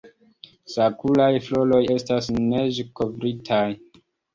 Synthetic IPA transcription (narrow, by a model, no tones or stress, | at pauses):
sakulajflo̞lo̞je̞stasne̞ʒeko̞vɾitʰaj